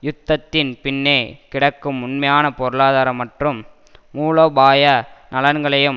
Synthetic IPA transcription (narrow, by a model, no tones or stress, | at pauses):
jʊt̪ːɐt̪ːɪnpɪnːeːkɪɽɐkːɯmːʊnmɐjaːnɐpɔɾɯɭaːðaːɾɐmːɐʈrɯmː | uːloːbaːjɐnɐlɐnɡɐɭɐjɯm